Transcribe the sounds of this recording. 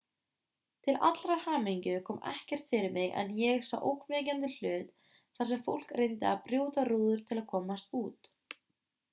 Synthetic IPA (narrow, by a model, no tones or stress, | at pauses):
t̪ʰɪla̰t̪lɾaɾ̥haːmiɲcʏkʰɔːmɛ̰hcɛr̥t̪fɪɾɪɾmɪɣɛ̰njɛɣsa̰wʔo̰wkʰvɛcant̪ɪl̥œːt̪ | θasɛmfo̰wl̥krejnt̪ɪapɾjuːwt̪aɾuːðʏɾ̥t̪ʰɪlaðkʰɔːmast̪uːt̪